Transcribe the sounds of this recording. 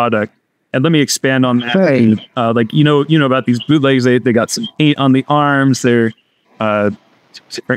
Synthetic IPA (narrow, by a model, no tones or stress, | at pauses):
ɑɾɨk̚t̚ | ɨ̃nlɛt̚miɨkspæ̃ndn̩ðɨt̚ʌlaɪkjɨñoʊjɨnoʊəbaʊt̪̚ðizbʉleɪzðeɪðeɪɡɑtsʌ̃mpẽɪ̃tʔn̩ðiʔɑɹmzðə˞ | ʌ̥ | d̥ɪfɨ̃